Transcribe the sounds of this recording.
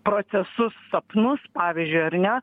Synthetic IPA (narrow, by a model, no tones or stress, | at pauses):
pɾoːsʲɛsʊsːɐpnʊspɑːʋʲizʲd͡ʒʲʊjɐɾnʲɛ